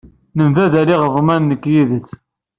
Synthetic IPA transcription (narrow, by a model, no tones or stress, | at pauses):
nəmvæðæɾiʁəvˤmænːəkːjiðət͡sː